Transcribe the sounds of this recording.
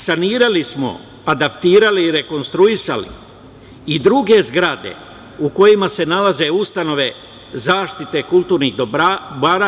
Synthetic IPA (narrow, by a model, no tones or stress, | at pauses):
saniːɾalismo̞̰ | ad̪apt̪iːɾaliːɾe̞ko̞nst̪ɾuisa̰lḭ | id̪ɾuɡe̞zɡɾad̪ḛ | uko̞jimase̞nalaze̞ust̪ano̞ʋe̞ | zaːʃt̪it̪e̞kulˠt̪uːɾniɣd̪baɾa